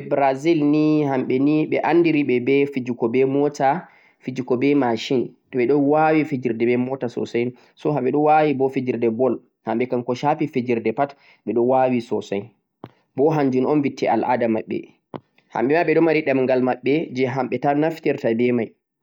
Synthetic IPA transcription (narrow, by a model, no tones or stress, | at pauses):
ɛbɾazilnihamɓɛniɓɛʔanːdiɾiɓɛbɛfid͡ʒukɔbɛmɔta | fid͡ʒukɔbɛmaʃinɗɔɓɛɗɔnwawifed͡ʒiɾdɛbɛmɔtasɔ̰saj | sɔɦaɓɛɗɔwawibɔfed͡ʒiɾdɛbɔl | hamɓɛkankɔʃapifed͡ʒiɾdɛpat | ɓɛɗɔwawisɔsaj | bɔɦaɲd͡ʒunɔnvitːiʔa̰lʔa̰damaɓːɛ̰ | ha̰mɓɛmaɓɛɗɔmaɾiɗamŋɡalmaɓːɛd͡ʒɛɦamɓɛtanaftiɾtabɛmaj